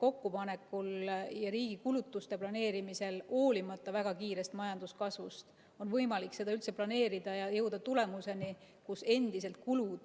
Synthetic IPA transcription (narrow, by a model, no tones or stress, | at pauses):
ko̞kːupɑne̞kːˑuljɑɾiːɡ̥ikulut̪ːˑust̪e̞plɑne̞ːɾimise̞lo̞ːlimɑt̪ˑːɑvæɡ̥ɑkiːɾe̞st̪mɑjɑnd̪̥uskɑsvust̪ | o̞nvɤjmɑlikse̞d̪ɑylt̪seplɑne̞ːɾid̪̥ɑjɑjɤwd̪̥ɑt̪ule̞muse̞ni | kuse̞nd̪̥is̬e̞lt̪̚kulud̪̥